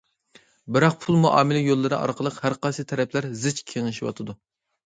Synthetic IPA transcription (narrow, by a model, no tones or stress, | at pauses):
bɪɾɑq̚pʰulˠmuʔɑːmɪlɪjolˠːɨɾɨ̰ʔɑ̰ɾqʰəlˠəqhæɾqɑsɨt̪ʰɛɾɛpʰlæɾzɪt͡ʃkʲʰeŋɪʃiwɑ̰t̪ʰɨd̪u